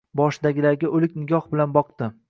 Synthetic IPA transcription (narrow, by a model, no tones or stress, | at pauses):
bɒʃɪd̪aɡʲɪlaɾɡʲaʔɵlɪkʲnɪɡʲɒhbɪlanbɒqd̪ɪ